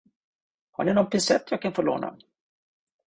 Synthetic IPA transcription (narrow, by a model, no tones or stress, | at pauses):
ha̰ɳɪnɔnpɪsɛ̰t̪ʰːjaːɡkʰanfoːɭo̰ːnʔa̰